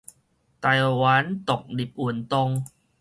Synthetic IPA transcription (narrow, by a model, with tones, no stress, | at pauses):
t̪a˧jwa˨˦nt̪ɔ˨˩k̚di˨˩p̚u˧˨ə˨nt̪ɔ˧ŋ